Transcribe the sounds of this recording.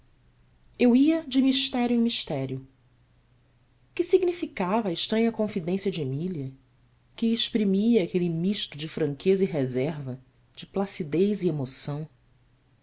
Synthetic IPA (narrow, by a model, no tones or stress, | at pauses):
ewiɐd͡ʒɪmiʃt̪ɛɾjʊẽmiʃt̪ɛɾjʊ | kɪsiɡnifikavɐːeʃt̪ɾɐ̃ɲɐkõfid̪ẽsjɐd͡ʒemiliɐ | kɪeʃpɾimiɐːkelimiʃt̪ʊd͡ʒɪfɾɐ̃ŋkʰezɐiɦezɛɾvɐ | d͡ʒɪplasid̪ejziemosɐ̃w̃